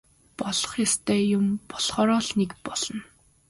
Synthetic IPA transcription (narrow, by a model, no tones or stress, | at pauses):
pɔɮɞ̥̆χjast̪ʰeːjʊmpɔɮχɔːɾɔːɮnekpɔɮɞ̆n